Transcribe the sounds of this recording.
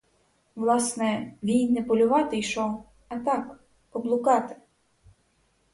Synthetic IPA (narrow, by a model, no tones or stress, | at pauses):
ʋlˠɑsnɛʋʲijnɛpɔlʲʊʋɑt̪ɪjʃɔ | ɐt̪ɑk | pɔblˠʊkɑt̪ɪ̥